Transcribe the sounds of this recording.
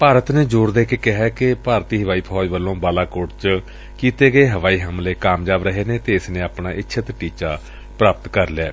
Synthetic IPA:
paːɾət̪neːd͡ʒʊːɾd̪eːkeːkɪɦɛːkɪpaːɾt̪iːɦəʋaːiːpʰɔːd͡ʒʋəlːõːbaːlaːkoːʈt͡ʃ | kiːt̪eːɡəeːɦəʋaːiːɦəmleːkaːmd͡ʒaːbɾəɦeːneːt̪eːɪsnẽːaːpnaːʔɪtːʃʰət̪ʈiːt͡ʃaː | pɾaːpət̪kəɾlaː

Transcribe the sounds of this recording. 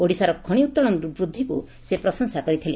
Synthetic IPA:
oɽisaɾɔkʰɔɽ̃iut̪ːɔɽɔnɾubɾud̪ʱːikṵ | sepɾɔsɔŋsakɔɾit̪ʰile

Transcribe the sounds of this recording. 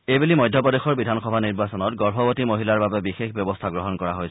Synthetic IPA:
ejbulimɔjdʱjɔpɔdexɔɹbidʱanxɔbʱaniɹbasɔnɔt̚ɡɔɹfɔbotimoɦilaɹbabɛbixexbjɔbɔstʰaɡɹɔɦɔnkɔɹaɦojs

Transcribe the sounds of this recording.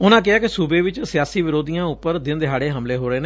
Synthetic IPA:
ʊnãːk̬ɪaːkɪsuːbeːʋɪt͡ʃsɪjaːsiːʋɪɾoːd̪ijãːʊpːəɾd̪ɪnd̪ɪɦaːɽeːɦəmleːɦoːɾəeːne

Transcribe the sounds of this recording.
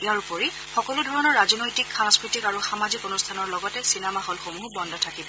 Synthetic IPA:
iaɹupoɹi | xɔkɔludʱɔɹɔnɔɹːazɔnojtikxaŋskɹitikaɹuxamazikonustʰanɔɹlɔɡɔtɛsinɛmaɦolxomubɔndʱɔtʰakibɔ

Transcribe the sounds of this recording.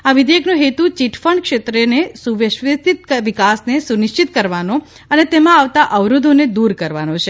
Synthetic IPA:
aʋid̪ʱjəknoɦet̪ut͡ʃiʈʰfəɳkʃet̪ɾenesuʋeʃʋesit̪ʋikasnesunɪʃt͡ʃit̪̚kəɾʋanõ | ənet̪emãaʋt̪aʔəʋɾud̪ʱoned̪uɾkəɾʋanõt͡ʃʰe

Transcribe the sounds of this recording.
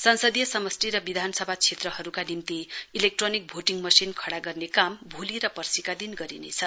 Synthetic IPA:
sʌnsʌd̪jʌsʌmʌsʈiɾʌbid̪ʱansʌbʱat͡sʰet̪rʌɦʌɾukanimt̪iilek̚ʈronik̚bʱoʈiŋmʌsinkʰʌɽaɡʌrnekambʱoliɾʌpʌrsikad̪inɡʌɾinḛt͡sʰʌ

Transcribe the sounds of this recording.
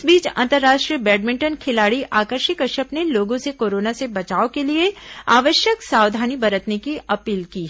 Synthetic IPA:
sbiːt͡ʃɐ̰̃nt̪əɾːaːʃʈɾijəbɛːɖmɪ̃ɳʈənkʰɪlaːɽiʔaːkəɾʃɪkɐʃəpneloːɡõsekoːɾoːnasebɐt͡ʃaːokelieaːʋəʃjəksaːʋd̪ʱaːnibɐɾət̪nekiɐpiːlkiː

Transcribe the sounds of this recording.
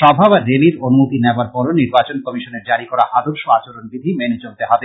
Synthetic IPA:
ʃɔbʱabaɾːeliɾonumot̪ineoaɾpɔɾoniɾbat͡ɕonkɔmiʃoneɾd͡ʑaɾikɔɾaʔad̪oɾʃoat͡ɕoɾonbid̪ʱimɛned͡ʑoɾt̪eɦɔbe

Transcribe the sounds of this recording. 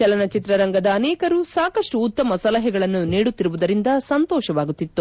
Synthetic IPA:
t͡ʃɛlɐnɐt͡ʃit̪ɾɐɾɐŋɡɐd̪ɐːnɛːkɐɾusaːkɐʂʈuːt̪ːɐmɐsɐlɐɦɛɡɐɭɐnːuniːɽut̪ːiɾuʋud̪ɐɾind̪ɐsɐnt̪ɔːʃɐʋaːɡut̪ːit̪ːu

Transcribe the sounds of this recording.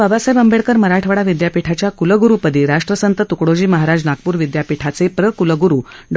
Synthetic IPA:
əbasəjbəmbeɭkəɾməɾaʈʰʋəɽaʋid̪japiʈʰat͡ɕjakuləɡuɾupəd̪iːɾaʂʈɾəsənt̪ət̪ukɽod͡ʑiːməɦaɾad͡znaɡpuːɾʋid̪japiʈʰat͡sepɾəkuləɡuɾuːɖ

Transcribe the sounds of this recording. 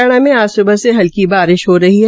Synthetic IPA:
ɽ̃amẽaːsʊbəseɦɐlkibaːɾɪʃɦoɾɐɦiɦɛ

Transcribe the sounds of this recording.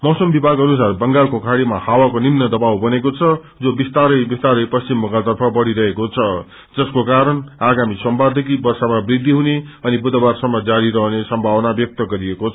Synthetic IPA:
mʌsʌmbibʱaɡʌnus̬arbʌŋɡalkokʰaɽimahawakonimnʌd̪ʌbawbʌnekot͡sʰʌ | d͡zobist̪aɾʌjbist̪aɾʌjpʌst͡simːʌkat̪ʌrpʰʌbʌɽiɾʌɦekot͡sʰʌ | d͡zʌskokaɾʌnaɡamisʌmbad̪ʱʌkibʌrsamabrid̪ʱːiɦuneʌnibud̪ʌbarsʌmːʌd͡zaɾiɾʌɦnesʌmbʱabʌnabjʌk̚t̪ʌɡʌɾieko

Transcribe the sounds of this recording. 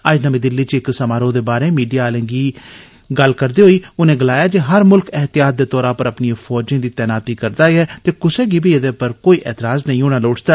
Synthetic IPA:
əd͡ʒnəmẽːd̪ɪlːiːt͡ʃɪksəmaːɾoːd̪eːbaːɾeːmiːɖijaːlə̃ŋɡiː | ɡəlkəɾd̪eːɦoːiːʊnẽːɡəlaːjaːd͡ʒeːɦəɾmʊlkɛɦt̪ɪjaːt̪̚d̪eːt̪ɔːɾaːpəɾəpniãːfʰɔːd͡ʒẽːd̪iːt̪ɛːnaːt̪iːkəɾd̪aːiɛːt̪eːkʊseːɡiːbʱiːəd̪eːpəɾkoːiːʔɛːt̪ɪɾaːznəĩːɦoːɽ̃aːloːʈʰd̪aː

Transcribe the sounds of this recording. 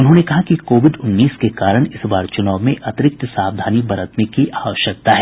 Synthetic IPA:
ʊnɦõnekɐɦakikoːʋɪɖʊnːiːskekaːɾəɽ̃ɪsbaːɾt͡ʃʊnaːʋmẽʔɐt̪ɪɾɪk̚t̪saːʋd̪ʱaːnibɐɾət̪nekiʔaːʋəʃjək̚t̪aɦɛː

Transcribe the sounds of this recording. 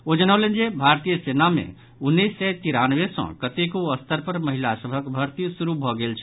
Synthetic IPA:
od͡ʒənawlend͡ʒebʱaɾt̪ijəsenamḛ̃ | ʊnːisːɛt̪iɾanʋesɔ̰̃kət̪ekoəst̪əɾpəɾməɦilasəbʱəkbʱəɾt̪isuɾubʱɔɡelt͡ʃʰ

